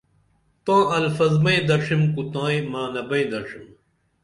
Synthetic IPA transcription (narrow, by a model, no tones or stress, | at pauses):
t̪ãːɐlfɐzmɐjd̪ɐʂimkut̪ãːjmaːnɐbɐ̃jd̪ɐʂim